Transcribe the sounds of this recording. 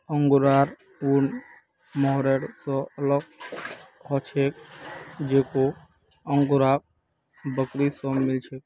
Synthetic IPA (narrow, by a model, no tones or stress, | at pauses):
əŋɡuɾaɾ | un | mɔɦɾeɽsɔ̃ələɡ̚ | ɦɔt͡ʃʰek̚d͡ʒeko | əŋɡɾak̚ | bəkɾisə̃mɪlt͡ʃʰek̚